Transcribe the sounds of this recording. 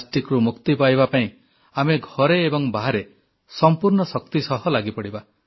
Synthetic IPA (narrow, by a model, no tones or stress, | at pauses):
sʈikɾumukt̪ipajbapaĩ | ameɡʱɔɾeːbɔŋbaɦaɾe | sɔmpuɾɳɔsɔk̚t̪isɔɦɔlaɡipɔɽiba